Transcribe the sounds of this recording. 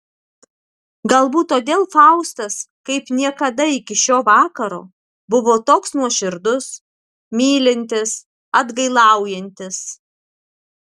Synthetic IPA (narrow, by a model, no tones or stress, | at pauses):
ɡɐlˠbuːt̪tːoːd̪ʲeːlˠfɑʊst̪ɐskɐɪpnʲiɛkɐd̪ɐɪkʲɪʃʲoːʋɑːkɐɾo̰ː | bʊʋoːt̪oːksnuɔʃʲɪɾd̪ʊs | mʲiːlʲɪnʲt̪ʲɪs | ɐd̪ɡɐɪlˠɑˑʊjɛnʲt̪ʲɪs